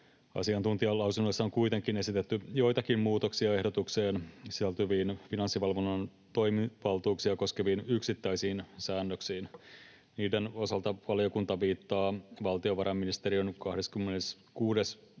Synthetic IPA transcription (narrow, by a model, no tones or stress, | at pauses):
ɑ̰siɑnt̪unt̪iɑlɑwsunːoisːɑoŋkuit̪eŋkinesit̪et̪ːyjo̞it̪ɑkimmuːt̪oksiɑe̞hdot̪ukseːnsisælt̪yʋiːnfinɑnsːiʋɑlʋonːɑn | t̪o̞jmiʋɑlt̪uːksiɑko̞skeʋiːnyksit̪ːæisiːnsæːnːøksiːn | niːdeno̞sɑlt̪ɑʋɑlijo̞kunt̪ɑʋiːt̪ːɑːʋɑlt̪ioʋɑɾɑmːinist̪eɾionkɑhdeskymːenes | kuːdes